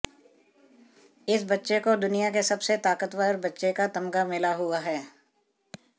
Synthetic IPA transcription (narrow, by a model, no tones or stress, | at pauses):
ɪsbɐtːʃekod̪ʊnijakesɐbset̪aːkət̪wəɾbɐtːʃekat̪ɐmɡamɪlaɦʊaɦɛː